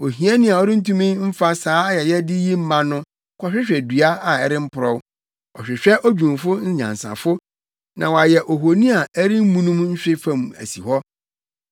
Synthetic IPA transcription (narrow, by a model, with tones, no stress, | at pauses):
o˨ɦĩ˨ɛ˦nɪ̃˦a˨ɔ˦ɾɪ˦n̩˦tũ˦mĩ˦m̩˦fa˦saː˨˦jɛ˨jɛ˦dɪ˦ji˦m̩˦mã˦nʊ̃˦ | kʰɔ˨ɕᶣɪ˦ɕᶣɛ˨dɥa˦a˨ɛ˨ɾɪ˦m̩˦pʰʊ˨ɾɔ˦w | ɔ˨ɕᶣɪ˨ɕᶣɛ˦ʔɔ˦d͡ʑᶣũ˨mfʊ˦n̩˦ɲã̰˨n˨sã̰˨fʊ˦ | nã̰˨wa˨jɛ˨ʔo˨ɦo˨nĩ˦a˨ɛ˦ɾɪ˦m˦mũ˦nũ˦mɲ̩˦ɕᶣɪ˦fã˨m˨æ̰˨si˨hɔ˦